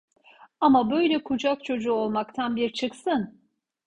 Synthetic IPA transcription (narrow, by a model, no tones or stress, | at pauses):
amabø̞jlʲɛkʰud͡ʒak̚t͡ʃʰo̞d͡ʒuːo̞lˠmakt̪ʰanbiɾt͡ʃʰɯksɯn